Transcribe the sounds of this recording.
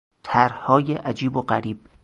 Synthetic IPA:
t̪ʰæɾhɒːjeʔæd͡ʒiːboɢæɾiːb̥̚

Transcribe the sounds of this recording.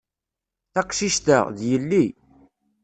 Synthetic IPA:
θæqʃiʃt̪ə̰ʁðjəlːi

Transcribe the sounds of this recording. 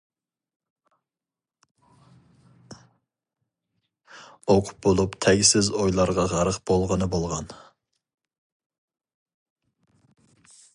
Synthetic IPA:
oqʰʊ̥p̚bolˠupt̪ʰɛɡʲsɪzojlˠɑɾʁɑʁɑɾəqb̥olˠʁənɨbolˠʁɑn

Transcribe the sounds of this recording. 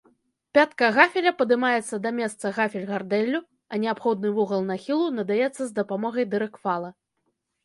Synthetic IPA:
pʲat̪kɐɣafʲɛlʲɐpɐd̪ɨmajɛt̪sːɐd̪ɐmʲɛst̪sɐɣafʲɛlʲɣard̪ɛlʲːu | ɐnʲɛapxɔd̪̚nɨvɔɣɐlˠnaxʲilˠunɐd̪ajɛt̪sːɐzd̪ɐpamɔɣɐjd̪ɨɾɨkfalˠɐ

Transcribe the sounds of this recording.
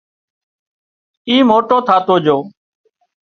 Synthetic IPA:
iːmoːʈoːt̪ʰaːt̪oːd͡ʒoː

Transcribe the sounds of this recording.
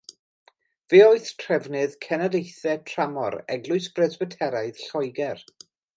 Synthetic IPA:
veːɔɨθtʰrɛvnɨðkʰɛnadejθɛtʰr̥amɔ̰ɾɛɡlˠʊɨsb̥rɛzwɛtʰɛɾaɨðɬɔjɡɛr

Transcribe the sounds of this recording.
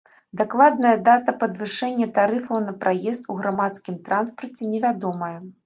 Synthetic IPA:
d̪aklˠad̪̚nɐjɐd̪at̪ɐpɐd̪vɨʂɛnʲːɐt̪aɾɨfɐwnɐpɾʔajɛst̪uɣɾamat̪skʲimt̪ɾanspɐrt͡sʲɛnʲɛvʲad̪ɔmɐjɐ

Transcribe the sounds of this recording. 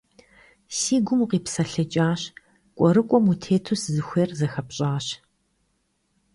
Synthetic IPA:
siːɡʷʊmuqiːpsɐɬɐt͡ʃʼaːɕ | kʷʼɔɾɨkʷʼɔmutʰeːtʰuszɨxʷeːrzɐxɐpɕʼaːɕ

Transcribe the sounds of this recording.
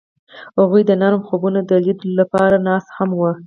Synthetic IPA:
haɣujd̪ənaɾmxobunod̪əlid̪lapɑɾanɑshamwə

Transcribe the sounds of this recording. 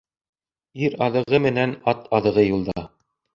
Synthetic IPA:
iɾɑðɤ̆ʁɤmɘ̆nænɑt̪ʰɑðɤ̆ʁɤjulˠd̪ɑ

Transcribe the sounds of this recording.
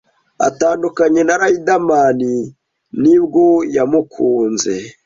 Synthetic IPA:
a̰taːndukaɲe̞naɾaidamani | nib̚ɡo̞jamukʰuːnze̞

